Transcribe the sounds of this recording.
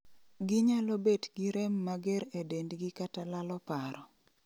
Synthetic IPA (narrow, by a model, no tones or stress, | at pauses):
ɡɪɲalobetɡiɾɛmːaɡeɾedendɡɪkatalalɔpaɾɔ